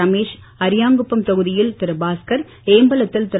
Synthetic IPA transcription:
ɐmeːʂ | ɐɾɪjaːŋɡɯpːɯmt̪ɐɣɯðɪjɪlt̪ɪɾɯbaːskɐɾ | eːmbɐlɐt̪ːɪlt̪ɪ

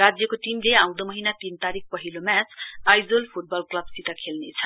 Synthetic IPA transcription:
rad͡zjʌkoʈimleaw̃d̪ʌmʌɦinat̪int̪aɾik̚ʰpʌɦilomjat͡sajd͡zolpʰuʈ̚bʌlklʌbsit̪akʰelnet͡sʰʌ̥

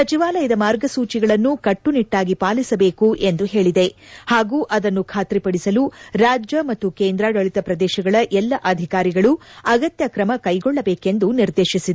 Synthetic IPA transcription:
sɐt͡ʃiʋaːlɐjɐd̪ɐmaːɾɡɐsuːt͡ʃiɡɐɭɐnːukɐʈːuniʈːaːɡipaːlisɐbe̞ːkuʔend̪uɦe̞ːɭid̪e̞haːɡuːʔɐd̪ɐnːukʰaːt̪ɾipɐɽisɐluɾaːd͡ʒjɐmɐt̪ːukeːnd̪ɾaːɡɐɭit̪ɐpɾɐd̪ɛːʃɐɡɐɭɐʔɛlːɐʔɐd̪ʱikaːɾiɡɐɭuɐɡɐt̪jɐkɾɐmɐkɐjɡɔɭːɐbe̞ːke̞nd̪uniɾd̪e̞ːʃisid̪e

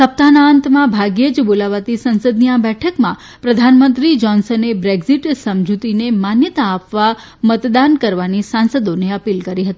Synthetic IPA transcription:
səp̚t̪anaənt̪mãbʱaɡjed͡ʒbolaʋat̪isənsəd̪niabɛʈʰəkmã | pɾəd̪ʱanmənt̪ɾid͡ʒɔnsənebɾeɡziʈsəmd͡ʒut̪inemanjət̪aːpʋa | mət̪d̪ankəɾʋanisansəd̪oneəpilkəɾiɦət̪i

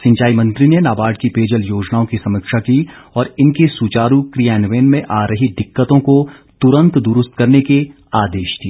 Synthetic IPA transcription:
sɪ̃ɲt͡ʃaːimɐ̃nt̪ɾinenaːbaːɖ̚kipeːd͡ʒəljoːd͡ʒnaːõkisɐməkʃakiɔːɾɪnkesut͡ʃaːɾukɾijaːnʋeːnmẽʔaːɾɐɦiɖɪkːət̪õkot̪ʊɾə̃nt̪d̪ʊɾʊst̪̚kɐɾneke | aːd̪eːʃd̪iː

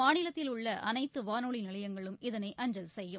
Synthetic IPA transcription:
aːnɪlɐt̪ːɪlʊɭːɐʔɐ̰nɐɪt̪ːɯʋaːnoːɭinɪɭɐjɐŋɡɐɭɯmɪðɐnɐɪʔɐɲd͡ʒɐlsɛjːɯ

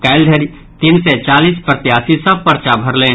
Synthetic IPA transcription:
kaːɪld̪ʱəɾi | t̪iːnset͡ʃaːliːspɾət̪jaːsisɐb̚pəɾt͡ʃabʱəɾlẽː

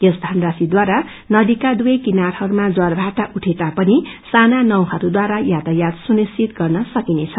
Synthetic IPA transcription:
jʌsd̪ʱanrasid̪waɾa | nʌd̪ikad̪ujejkinarhʌɾumad͡zʌrbʱaʈaʔuʈʰet̪apʌnisananʌw̃hʌɾud̪waɾajat̪ajad̪sunist͡sit̪ɡʌrnʌsʌkinet͡sʰʌ

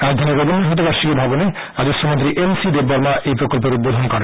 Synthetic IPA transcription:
ad̪ʱaneɾebɔnɦɔt̪̬obaɾʃiɔbʱabɔne | ad͡ʒostʰɔmɔnt̪ɾiʔensid̪ebɔɾmaʔejpɾokɔlp̬oɾud̪bod̪ʱɔnkɔɾe

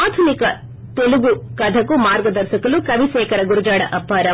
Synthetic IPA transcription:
aːt̪ʰunikɐ | t̪eluɡukɐd̪ʱɐkːumaːɾɡɐd̪ɐɾʃɐkɐlukɐʋiseːkɐɾɐɡuɾud͡ʒaːɽɐʔɐpːaːɾɐ

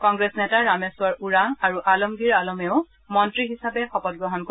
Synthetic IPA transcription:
kɔŋɡɹesnɛtaɹameswaɹuɹaŋaɹuʔalɔmɡiɹalɔmɛʊ | mɔntɹiɦisapɛxɔpɔt̚ɡɹɔɦɔnko

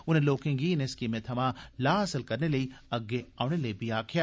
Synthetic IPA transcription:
ʊnẽloːkẽŋɡiːneskimẽt̪ʰɐmãːlaːɦɐsəlkɐɾnelɐiɐɡːeaːʊneleibʱiaːkʰjaː

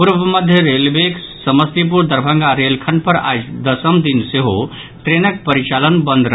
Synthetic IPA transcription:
puɾbʱəməd̪ʱjəɾelbek | səməst̪ip̬uɾd̪əɾbʱə̃ŋɡaɾelkʰənpəɾa̰d͡ʒd̪əsəmd̪inseɦo | t̪ɾenək̚pəɾit͡ʃalənbənd̪ɾə

